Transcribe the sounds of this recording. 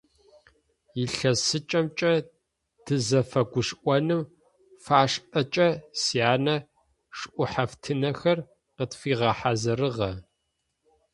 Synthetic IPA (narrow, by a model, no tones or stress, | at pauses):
jiɬɐsɨt͡ʃʼɐmt͡ʃʼɐ | dʰɨzɐfɐɡʷʊʂʔʷɔnɨm | faːʂʔɐt͡ʃʼɐsiaːnɐ | ʂʔʷʊħaftʰɨnɐxɐr | qətfiːʁɐħazɐɾɨʁɐ